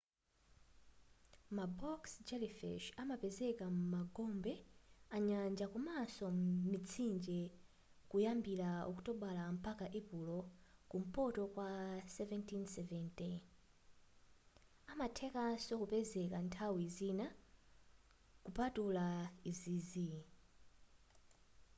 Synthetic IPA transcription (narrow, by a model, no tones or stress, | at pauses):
mabɔksd͡ʒɛlifɛ̰ʃamapɛzɛkamumaɡɔmbɛaɲand͡ʒakumasɔmit͡sʰind͡ʒɛ | kujambiɾaɔku̥tɔɓalam̩pakaʔɛpulɔkum̩pɔtɔkwasɛvɛntʰinsɛvɛnti | amatʰɛkasɔkupɛzɛkantʰawizina | kupatulaizizi